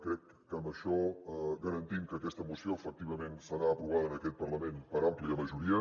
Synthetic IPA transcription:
kɾɛkːəmbəʃɔɣəɾənt̪imkəːkɛst̪əmusioəfək̚t̪iβəmensəɾaəpɾuβaðəːnəkɛt̪̚pəɾləmenpəɾampliəməʒuɾiə

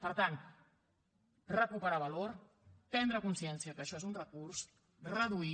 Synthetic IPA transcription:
pəɾt̪ant̪ | rəkupəɾaβəloɾ | p̪ɛnd̪ɾəkunsiɛnsiəkəːʃɔezunrəkurs | rəðui

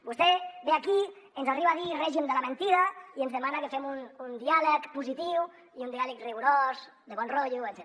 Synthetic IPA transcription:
bust̪ebeaki | enzariβaðirɛʒimd̪əlamẽnt̪iɾaienzðemanakefemunund̪ialəkpuzit̪iw | iund̪ialək̚reɣuɾoz | d̪eβɔnroʎuet̪zɛ

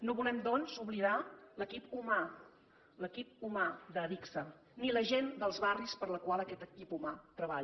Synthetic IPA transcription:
noβulɛmd̪ɔnzuβliðaləkipuma | ləkip̚umad̪əðiksə | niləʒend̪əlˠzβarispəɾləkwalˠəkɛt̪əkipumat̪ɾəβaʎ

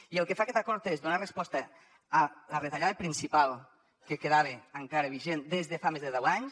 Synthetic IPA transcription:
ielˠkefakɛt̪akɔɾt̪ezðunarespɔst̪əː | ləret̪aʎaðəpɾinsipalˠ | kekeðaβ̞eaŋkaɾeβ̞iʒend̪ezðefamezðeðɛwaɲs

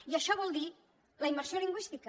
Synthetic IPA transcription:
jiaʃɔβɔlˠd̪i | ləiməɾsioliŋɡwist̪ikə

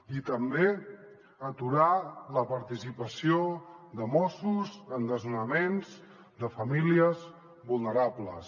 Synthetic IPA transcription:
it̪əmbe | ət̪uɾaləpəɾt̪isipəsiod̪əmɔsuzənd̪əzunəmenz | d̪əfəmiliəz | βulˠnəɾabləs

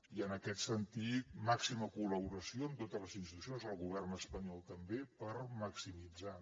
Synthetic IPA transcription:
iənəkɛt̪sənt̪it̪̚maksiməkuləβuɾəsioənt̪ot̪əzləzinst̪it̪usijonzəlˠɣuβ̞ɛrnəspəɲɔlˠt̪əmbepəɾməksimid͡za

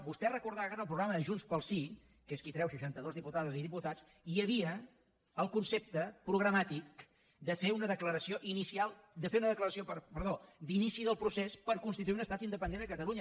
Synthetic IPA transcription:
bust̪ɛrəkuɾðaɣaɾəlˠpɾuɣɾaməʒunspəlˠsi | keskit̪ɾɛwʃəʃant̪əðozðiput̪aðəziðiput̪at͡s | iəβ̞iəː | lˠkunsep̚t̪əpɾuɣ̞ɾəmat̪ik | d̪əfeunəðəkləɾəsioʔinisialˠd̪əfeunəðəkləɾəsiopəpəɾðod̪inisiðəlˠpɾusespəɾkunst̪it̪uiunəst̪at̪ind̪əpənd̪enəkət̪əluɲə

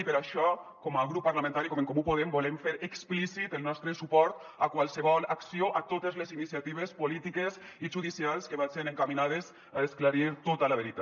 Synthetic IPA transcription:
ipeɾaʃɔkɔmaɣɾupːaɾlamẽnt̪aɾikomeŋkomupoð̞embolemfeɾeksplisit̪elˠnɔst̪ɾesupɔɾt̪ | akwalˠseβɔlaksioʔat̪ot̪ezlezinisiat̪iβ̞espolit̪ikeziʒuðisialˠskeβanseɾeŋkaminað̞ez | aesklaɾiɾt̪ot̪alaβeɾit̪a

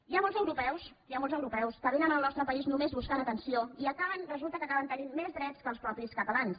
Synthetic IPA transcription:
iamɔlˠzəwɾupɛws | iamɔolˠzəwɾupɛwskəβ̞enənəlˠnɔst̪ɾəpəiznumezβuskanət̪ənsioiəkaβənrəzulˠt̪əkəkaβənt̪əninmezðɾɛt͡skəlˠspɾɔpiskət̪əlans

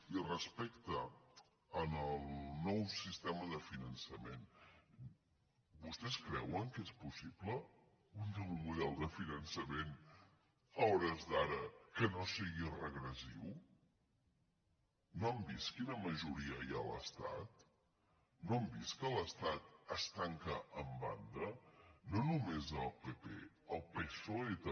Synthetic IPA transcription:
irəspɛkt̪əː | nəlˠnɔwsist̪ɛməðəfinənsəmen | bust̪ɛskɾɛwəŋkespusiplə | undɔwmuðɛlˠd̪əfinənsəmen | ɔɾəzðaɾəkənosiɣirəɣɾəsḭw | noəmbiskinəməʒuɾiəja̰lə̰st̪a̰t̪ | noəmbiskələst̪at̪əst̪aŋkəʔəmba̰nd̪ənonumezəlˠpepḛ | əlˠpesoet̪ə

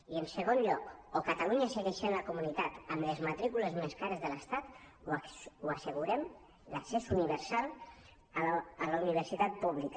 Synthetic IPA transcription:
iənsəɣ̞onʎɔkokət̪aluɲəsəɣɛʃənləkumunit̪at̪əmləzmət̪ɾikuləzmeskaɾəzðələst̪at̪ | uəsəɣuɾɛm | ləksesuniβəɾsalˠ | ələuniβ̞əɾsit̪at̪̚puβlik

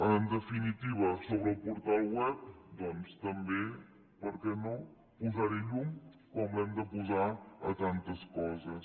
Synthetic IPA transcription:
ənd̪əfinit̪iβəsoβɾəlˠpuɾt̪alˠwɛp̚d̪ɔnst̪əmbe | pəɾkɛno | puzaɾiʎuŋkɔmlɛmd̪əpuzaət̪ant̪əskɔzəs

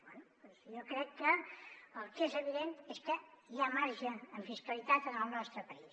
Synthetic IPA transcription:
bwɛnu | ezjɔkɾɛkːəəlˠkezəβiðent̪eskəiʎamaɾʒəːɱfiskəlit̪at̪ənəlˠnɔst̪ɾəpəis

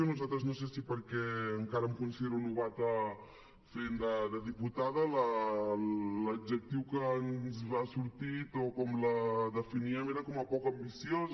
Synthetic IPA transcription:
onuzalt̪ɾəznos̬esipəɾkɛəŋkaɾəmkunsiðeɾunuβat̪ə | fend̪əd̪əðiput̪aðələ | ləbd͡ʒək̚t̪iwkənzβasuɾt̪it̪okɔmləðəfiniəmeɾəkɔməpɔkəmbisioz

